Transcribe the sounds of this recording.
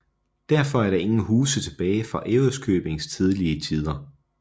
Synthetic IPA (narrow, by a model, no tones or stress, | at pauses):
d̥æɐfɒ̽æɐɾɑ̈e̝ŋn̩ɦuːsət͡sʰe̝b̥ɛːɪfʁɑ̈ʔeʊðskʰøːb̥e̝ŋst͡sʰið̞ˠliət͡sʰiːð̞ˠɐ